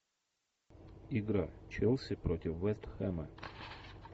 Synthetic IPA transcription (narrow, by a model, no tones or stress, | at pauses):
iɡɾat͡ɕɛlˠsʲɪpɾotʲɪfːɛst̪xɛmə